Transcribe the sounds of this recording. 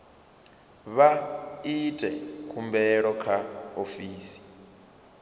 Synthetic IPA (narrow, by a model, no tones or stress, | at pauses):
βaitʼɛ̰kʰumbɛɺɔkʰaofiːsi̥